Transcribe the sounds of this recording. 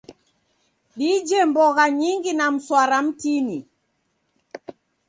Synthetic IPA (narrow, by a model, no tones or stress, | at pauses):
ɗid͡ʒɛmbɔɣaɲiŋɡinam̩swaɾam̩tini